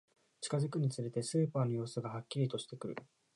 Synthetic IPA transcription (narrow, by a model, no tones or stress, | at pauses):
t͡ɕi̥kazɨkɯ̟ɲ̟it͡sɨɾe̞t̪e̞sɨːpaːno̞jo̞ːsɨɡahakʲːiɾʲit̪o̞ɕi̥t̪e̞kɯ̟ɾɯ̟